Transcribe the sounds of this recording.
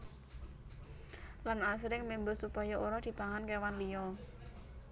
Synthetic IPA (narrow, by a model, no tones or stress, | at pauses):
lanasɾɪŋmembəsupajaʔuɾad̪̥i̤paŋankewanlijɔ